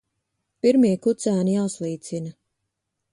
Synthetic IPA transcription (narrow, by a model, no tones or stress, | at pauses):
piɾmiːkut̪sæːnijawslˠiːt̪sinɐ